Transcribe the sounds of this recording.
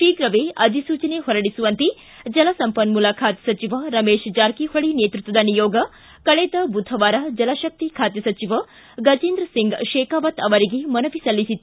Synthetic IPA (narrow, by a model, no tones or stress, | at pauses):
ʃiːɡɾɐʋeɐd̪ʱisuːt͡ʃɐneɦɔɾɐɽisuʋɐnt̪i | d͡ʒɐlɐsɐmpɐnmulakʰaːt̪jɐsɐt͡ʃiʋɐɾɐmeːʃd͡ʒaːɾkihoɭineːt̪ɾut̪ːʋɐd̪ɐnijoːɡɐ | kɐɭeːd̪ɐbud̪ʱʰɐʋaːɾɐd͡ʒɐlɐʃɐk̚t̪ikʰaːt̪jɐsɐt͡ʃiʋɐ | ɡɐd͡ʒiːnd̪ɾɐsiŋɡʃeːkaːʋɐt̪ɐʋɐɾiɡemɐnɐʋisɐlːisit̪ː